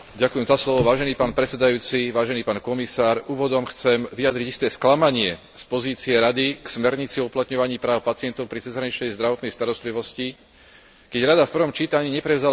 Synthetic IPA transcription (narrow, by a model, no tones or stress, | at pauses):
ɟakujɛmzaslɔʋɔʋaːʒɛniːpaːnpɾɛt͡ssɛd̪ajuːt͡siʋaːʒɛniːpaːnkɔmisaːɾuːʋɔd̪ɔmxt͡sɛmʋijad̪ɾiɟist̪ɛːsklamaɲɪɛ | spɔziːt͡siɛɾad̪iksmɛɾɲit͡siɔuplat̪ɲɔʋaɲiːpɾaːʊpat͡sɪɛnt̪ɔʊpɾit͡sɛzɦɾaɲit͡ʃnɛjzd̪ɾaʋɔt̪nɛjst̪aɾɔst̪liʋɔsci | kɛɟɾad̪afpr̩ʋɔmt͡ʃiːt̪aɲiːɲɛpɾɛʋzal